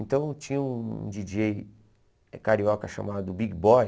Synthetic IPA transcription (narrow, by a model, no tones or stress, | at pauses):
ẽnt̪ɐ̃w̃t͡ʃĩɲɐṵ̃d͡ʒid͡ʒej | kaɾiɔkɐʃa̰mad̪ʊbiɡbɔj